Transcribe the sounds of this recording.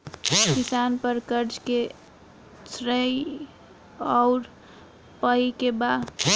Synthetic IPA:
kɪsaːnpəɾkəɾd͡ʒke | sɾəj | ɔʊɾ | pəikeba

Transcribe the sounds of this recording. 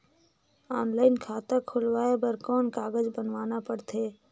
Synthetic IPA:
ɔːnlaːɪnkʰaːt̪akʰʊlwaːebəɾkɔːnkaːɡəd͡ʒbənʋaːnapəɽt̪ʰeː

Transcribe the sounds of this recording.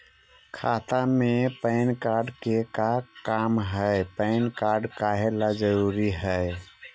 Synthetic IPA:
kʰat̪amepəɪnkaɾɖkekakamɦəɪpəɪnkaɾɖkaɦelad͡ʒəɾuɾiɦə

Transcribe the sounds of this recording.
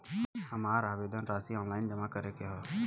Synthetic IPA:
hɐmaːɾaːʋeːd̪ənɾaːsiɔ̃ːnlaːɪnd͡ʒəmakəɾeːkeɦɔː

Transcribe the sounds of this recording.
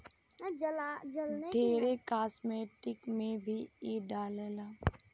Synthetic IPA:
d͡ʒlad͡ʒəlned̪ʱeːɾekaːsmeːʈɪkmẽbʱiːeːɖaːleːlaː

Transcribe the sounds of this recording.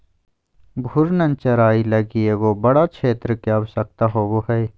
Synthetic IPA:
bʱʊɾnɐnt͡ʃɐɾaːilɐɡieɡoːbɐɽat͡ʃʰeːt̪ɾəkeaːbsɐk̚t̪aɦoːboɦɐj

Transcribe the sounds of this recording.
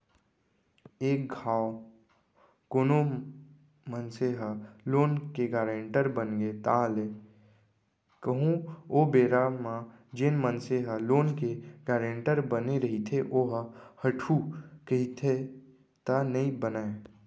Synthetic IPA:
eːk̚ɡʱaːwo | koːno | mənseɦəloːnkeɡaːɾeɳʈəɾbənɡet̪ale | kəɦũoːbeːɾamã | d͡ʒɪnmənseɦəloːnkeɡaːɾẽːɳʈəɾbəneɾəɦit̪ʰeʔoːɦhəʈʰukəɦit̪ʰe | t̪anəĩbənae

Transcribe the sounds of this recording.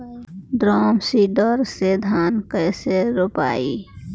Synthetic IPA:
d̪ɾɔːmsid̪ɔɾsed̪ʱaːnkəɪseɾopa̰ːi

